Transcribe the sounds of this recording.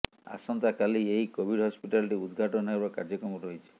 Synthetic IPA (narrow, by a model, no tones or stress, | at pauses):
a̰sɔnt̪akalieɦikobʱiɖɦɔspiʈalʈiud̪ɡʱaʈɔnɔɦebakaɾd͡ʒɔkɾɔmɔɾɔɦit͡ʃʰi̥